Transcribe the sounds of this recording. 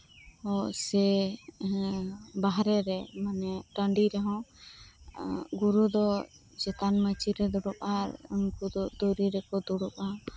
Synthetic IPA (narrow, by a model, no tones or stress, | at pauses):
ɔsɛ | baɦɾɛɾɛmanɛʈãɳɖiɾɛɦɔ̃ | ɡuɾud̪ɔ | d͡ʒɛt̪anmət͡ʃiɾɛd̪ɔɽɔpaɾṵnkud̪ɔʔd̪ɔɾiɾɛkɔd̪ɔɽɔpa